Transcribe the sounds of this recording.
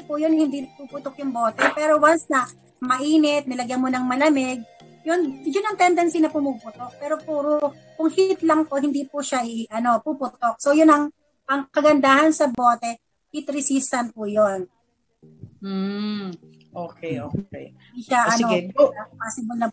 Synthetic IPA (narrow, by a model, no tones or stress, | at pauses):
pujonhɪnd̪ipupʊt̪ok̚jʊŋboːt̪ɛpɛːɾowansnɐ | mɐʔiːnɛt̪̚nɪlɐɡjɐmonɐŋmɐlɐmɛɡ̚ | jʊnjʊnɐŋt̪ɛnd̪ɛnsinɐpʊmupʊt̪ok̚pɛːɾopuːɾo | kʊŋhit̪lɐŋpohɪnd̪ipʊʃaʔɪʔɐno̞pupʊt̪ok̚sowjʊnɐŋ | ʔɐŋkɐɡɐnd̪aːhɐnsɐboːt̪ɛ | hit̪ɾɪsist̪ɐn̚pujon | m̩ | ʔokɛo | ɪkaʔɐnoɐpaːsɪbʊlnɐ